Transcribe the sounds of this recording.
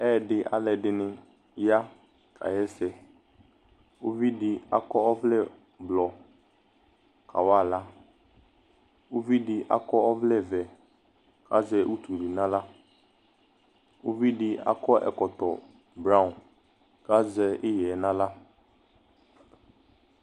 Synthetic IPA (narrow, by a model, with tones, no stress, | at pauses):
ɛː˦˨ɖɪ˨ʔa̰˨lɛ˨ɖɪ˨nɪ̃˨ | ja˦ | kʰa̰˨jɛ˦sɛ˨ | o˦vi˦dɪ˨a̰˨kɔ˦ɔ˦vlɛ˦˨ | blɔ˨ | kʰa̰˨wa˦˨la˦ | ʊ˦vi˦dɪ˨ʔa̰˨kɔ˦ɔ˦vlɛ˦˨vɛ˨ | ka˦zɛ˦ʔu˦t̪u˨ɖɪ˨nã˦la˦ | u˦vi˦dɪ˨a̰˨kɔ˦ʔɛ̰˨kɔ˨t̪ɔ˨ | bɾa˦ũ˨n | ka˦zɛ˦ɪ˦jɛ˨˦nã˦la˦